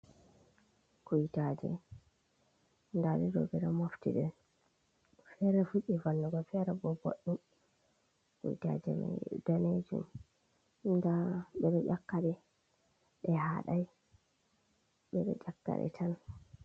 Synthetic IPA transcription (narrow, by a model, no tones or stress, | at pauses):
kujtad͡ʒɛ̰ | ndaɗɛdɔɡɛɾamoftḭɗɛ | fɛɾafuɗivanːɔɡɔfɛɾabɔbo̰ɗːim | kṵjta̰d͡ʒɛma̰dɔned͡ʒṵm | ndaɓɛɗɔʔʲakːaɗɛ | ɗɛhaɗaj | ɓɛɗɔ̰d͡ʒakːa̰ɾɛ̰tʰan